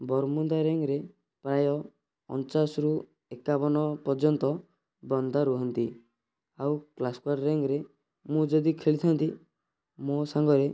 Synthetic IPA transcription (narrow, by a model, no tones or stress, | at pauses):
bɔɾmund̪aɾeŋɾe | pɾajɔ | ɔ̰nt͡ʃasɾu | ekabɔnɔpɔɾd͡ʒɔnt̪ɔ | bɔnd̪ʱaɾuɦɔnt̪ḭ | awklaskwaɾɾeŋɾe | mũd͡ʒɔd̪ikʰeɭit̪ʰant̪i | mosaŋɡɔɾe